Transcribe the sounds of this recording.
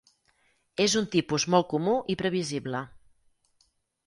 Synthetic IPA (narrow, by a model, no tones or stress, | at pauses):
ezunt̪ipuzmɔl̚ˠkumuʔipɾəβiziβlə